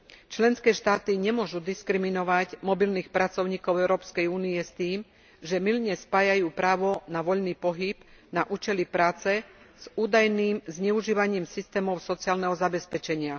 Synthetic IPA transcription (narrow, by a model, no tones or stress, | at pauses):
t͡ʃlɛnskɛːʃt̪aːt̪iɲɛmʊɔʒud̪iskɾiminɔʋaɟmɔbilniːxpɾat͡sɔʊɲiːkɔʊɛʊɾɔːpskɛjuːniɛst̪iːm | ʒɛmilɲɛspaːjajuːpɾaːʋɔnaʋɔʎniːpɔɦibnaʔuːt͡ʃɛlipɾaːt͡sɛ | z̥uːd̪ajniːmzɲɛuʒiːʋaɲiːmsist̪ɛːmɔʊsɔt͡siaːlnɛɦɔzabɛspɛt͡ʃɛɲɪa